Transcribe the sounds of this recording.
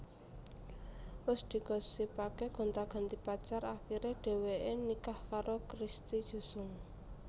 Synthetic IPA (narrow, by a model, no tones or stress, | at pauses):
wʊsd̪̥i̤ɡ̥ɔ̤sːipakɛɡ̥ɔ̤nt̪aɡ̥a̤nt̪ipat͡ʃaɾaxiɾeɖ̥e̤weʔenikahkaɾokɾist̪i̥ʒ̥o̤sʊŋ